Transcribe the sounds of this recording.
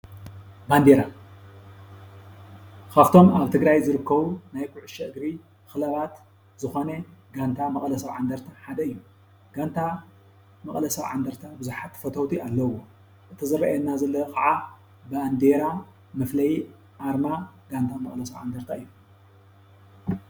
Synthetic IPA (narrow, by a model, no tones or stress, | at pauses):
band̪eɾa | kʰaft̪ʰo̞maβt̪ʰɨɡɾajzɨɾɨkːɐβunajkʰʊʕʊʃɐʔɨɡɾi | xɨlɐβat̪ | zɨxoneɡant̪ʰamɐkʼlɐsɐβʕa̰nd̪ɐɾt̪ʰaħad̪ɐɨjːu | ɡ̥ant̪ʰa | mɐkʼlɐsɐβʕa̰nd̪ɐɾt̪ʰabɨzuħat̪fɐt̪ʰɐwt̪ʰialːɐwo | ʔɨt̪ʰɨzɐβɐʔenːazɐlːɐkʼaʕa | baand̪eɾa | mɨflɐj | ʔaɾmaɡ̥ant̪ʰamɐχʼlɐsɐβʕa̰nd̪ɐɾt̪ʰaɨjːu